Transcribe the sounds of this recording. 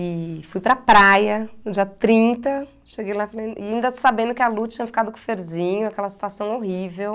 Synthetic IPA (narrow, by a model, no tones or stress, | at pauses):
ɪfujpɾɐpɾajɐnʊd͡ʒiɐt̪ɾĩnt̪ɐ | ʃeɡejlafɐlẽjɪaĩnd̪ɐsabẽnd̪ʊkɪalut͡ʃĩɲɐfi̥kad̪ʊkõfeɾzĩɲʊakɛlɐsi̥t̪uasɐ̃w̃oɦivew